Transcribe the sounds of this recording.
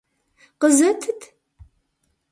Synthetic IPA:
qəzɐt̪ʰɨt̪ʰ

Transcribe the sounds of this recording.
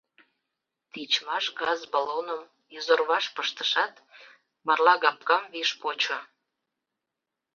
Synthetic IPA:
t̪it͡ɕmɑʃɡɑzbɑlonəm | jizorβɑʃpəʃt̪əʃɑt̪ | mɑrlɑɣɑp̚kɑmβiʃpot͡ɕo

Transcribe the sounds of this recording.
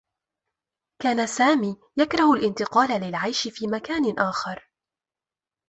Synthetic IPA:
kaːnasaːmiː | jakɾˤɑhalʔɪnt̪ɪqɑːlalɪlʕajʃɪfiːmakaːnʔaːxɑɾˤ

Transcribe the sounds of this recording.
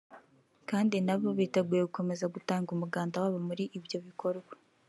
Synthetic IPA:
kaːndinaβoβiteɡuːjeɡuko̞me̞zaɡutaːŋɡumuɡaːndawaːβamuɾiʔibjo̞βikʰo̞ɾɡwa

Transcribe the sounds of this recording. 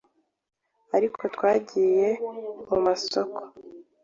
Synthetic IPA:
aɾikʰotwaːɟiːje̞mumasoko̥

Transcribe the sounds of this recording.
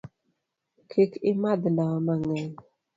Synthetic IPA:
kʰikɪmad̪nawamaŋɛɲ

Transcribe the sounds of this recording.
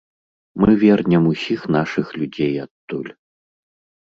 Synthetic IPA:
mɨvʲɛrnʲɛmusʲixnaʂɨxlʲud͡zʲejat̪ːulʲ

